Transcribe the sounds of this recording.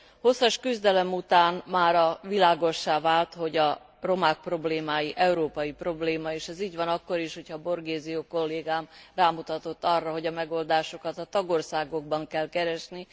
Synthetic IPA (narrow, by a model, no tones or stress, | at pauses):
ho̞sːɒʃkyzd̪ɛlɛmut̪aːnmaːɾɒvilaːɡo̞ʃːaːvaːlt̪ho̞ɟɒ | ro̞maːk̚pro̞bleːmaːjiʔɛuɾoːpɒjipro̞bleːmɒeːʃɛziːɟʋɒnɒkːo̞ɾiʃho̞cʰhɒbo̞rɡeːzijoko̞lːeːɡaːmraːmut̪ɒt̪o̞t̪ːɒrːɒɦo̞ɟɒmɛɡo̞ld̪aːʃo̞kɒt̪ɒt̪ɒɡo̞rsaːɡo̞ɡ̚bɒŋkɛlkɛɾɛʃni